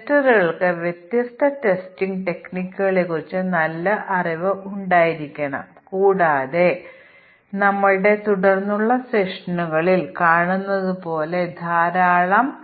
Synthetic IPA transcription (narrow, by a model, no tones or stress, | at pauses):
tːɐɾɣɐɭkɨʋjet̪jɐst̪ʰɐte̞stiŋɡʈe̞knikʲːuɣɐɭe̞kːurit͡ɕːɨnɐlːɐʔɐriʋɨʔuɳɖaːjiɾikʲːɐɳɐ̰mkuːɽaːðe̞ | nɐmːɐɭɽe̞t̪uɽɐrnːuɭːɐseʂɐnuɣɐɭilkaːɳunːɐðupo̞ːle̞d̪ʱaːɾaːɭɐm